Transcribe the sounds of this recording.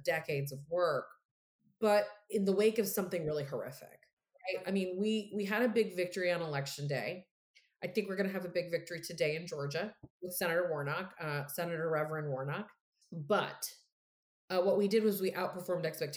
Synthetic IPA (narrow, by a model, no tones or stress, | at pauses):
d̥ɛkeɪdzʌvwɜ˞k | b̥ʌɾɨ̃nðəweɪkʌv̥sʌ̃mθɪ̃ŋɹɪlˠiɦə˞ɪ̰fɪ̰k | ɹaɪt̚a̰ɪmĩnwiwiɨɾɨbɪɡvɪk̚tə˞iɨ̃nəlɛkʃɨ̃n̩deɪ | ʔaɪθɪ̃ŋkwɨɹɡʌñɨːvɨbɪɡvɪk̚tə˞iɾʰɨdeɪɨ̃nd͡ʒɔɹd͡ʒɨwəð̥sɛnɨɾə˞wɔɹnɑkʌsɛnɨɾə˞ɹɛvə˞ɨ̃nwɔɹnɑk | b̥ʌ̰t | ʌwʌʔ̚widɨd̚wʌzwiʔaʊt̚pʰə˞fɔɹmdɛkspɛk̚tʰ